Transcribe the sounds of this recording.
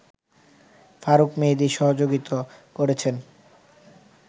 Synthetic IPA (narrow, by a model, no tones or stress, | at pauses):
faɾukmed̪iʃɔɦod͡ʑoɡit̪okoɾet͡ɕʰen